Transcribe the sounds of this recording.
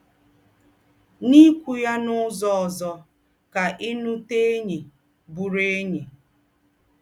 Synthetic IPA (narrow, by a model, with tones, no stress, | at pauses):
ni˦kʷu˨ja˦nʊ˦zɔ˦ɔ˨zɔ˨ | ka˨ʔi˦nu˦te˦ɲe˨ | bu˨ɾe˦ɲe˨